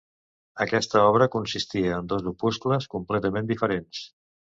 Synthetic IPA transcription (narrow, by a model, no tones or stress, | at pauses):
əkɛst̪əɔβ̞ɾəkunsist̪iəːnd̪ɔzupuskləskumplɛt̪əmend̪ifəɾens